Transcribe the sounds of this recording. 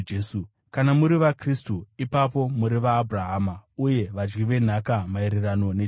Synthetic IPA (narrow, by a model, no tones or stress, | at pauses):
esu | kanamuɾiʋakristuipapo̞muɾiʋaːbʱuraɦaːmauje̞ʋad͡ʒɡiʋe̞n̤akamaiɾirano̞ne̞